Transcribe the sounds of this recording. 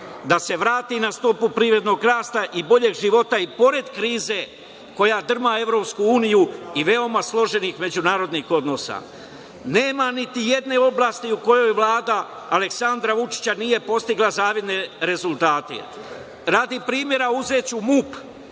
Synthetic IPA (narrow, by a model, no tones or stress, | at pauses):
d̪ase̞ʋɾaːt̪inast̪o̞pupɾiːvɾe̞d̪no̞ːɡɾaːst̪aʔibo̞ʎe̞ɡʒiʋo̞t̪aipo̞ɾe̞d̪kɾiːze̞ | ko̞jad̪r̩mae̞ʋɾo̞pskuuːnijuiʋe̞o̞maslˠo̞ʒe̞nixme̞d͡ʑunaːɾo̞d̪nixo̞d̪no̞sa̰ | ne̞ːmanit̪ije̞d̪ne̞o̞blˠaːst̪iuko̞jo̞jʋlˠaːd̪a | ale̞ksand̪ɾaʋut͡ʃi̥t͡ɕanije̞po̞st̪iɡlazaːʋjed̪ne̞ɾe̞zulˠt̪aːt̪ḛ | ɾad̪ipɾiːmje̞ɾauze̞ːt͡ɕumup